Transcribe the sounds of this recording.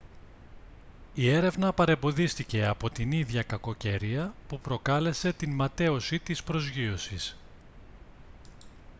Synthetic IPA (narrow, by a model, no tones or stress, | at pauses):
ie̞ɾe̞vnɐpɐɾe̞mbo̞ðist̪ice̞ɐpo̞t̪iniðʝɐkɐko̞ce̞ɾiɐpupɾo̞kɐle̞se̞t̪inmɐt̪e̞o̞sit̪ispɾo̞zʝio̞sis